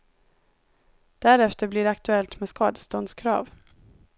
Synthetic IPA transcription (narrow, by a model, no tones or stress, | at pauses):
d̪̥æɾɛft̪əɾblɪɖɛak̚t̪ɵɛlt̪mɛːskɑːd̪ə̥st̪ɔnd̪skʰɾɑ̰ːv